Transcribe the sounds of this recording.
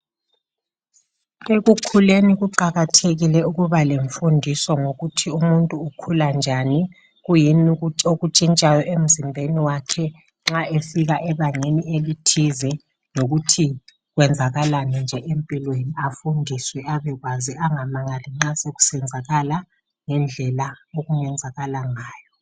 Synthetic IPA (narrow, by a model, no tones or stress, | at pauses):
eɣukʰuleniɣuǃaɣatʰeɣilɛuɣuβaleɱfundʱisɔŋoɣutʰiumuntʼuːkʰuland͡ʒʱani | ɣujinioɣut͡ʃʼint͡ʃʼajɔʔem̩zimbʱeniwakʰɛ | ŋ͡ǁaefiɣaʔɛβaŋenielitʰizɛ | noɣutʰi | ɣwɛnd͡zʱaɣalanind͡ʒʱɛʔempʼilweniafundʱiswɛaβɛɣwaziaŋamaŋaliŋ͡ǁaseɣu̥sɛnd͡zʱaɣala | ŋɛnd͡ɮʱɛlaoɣuŋɛnd͡zʱaɣalaŋaːjɔ